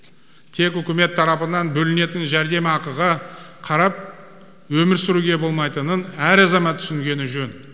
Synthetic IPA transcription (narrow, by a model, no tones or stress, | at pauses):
t̪ʰe̞kʏkʲɪme̞t̪ʰːɑɾɑpənɑnbɵlɪne̞t̪ɪnʒæɾd̪e̞mɑqəʁɑqʰɑɾɑp̚ | wɵmɪɾsʏɾuɡʲe̞bo̞lˠmɑjt̪ənənæɾɑzɑmɑt̪ʰːʏ̥sɪŋɡʲe̞nɪʒɵn